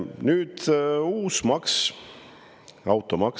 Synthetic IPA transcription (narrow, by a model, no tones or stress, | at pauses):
nyːd̪̥uːsmɑks | ɑwt̪ːˑomɑk